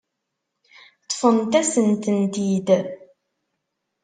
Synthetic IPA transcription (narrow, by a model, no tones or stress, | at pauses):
t̪ˤːfənt̪æsənt̪ənt̪id̪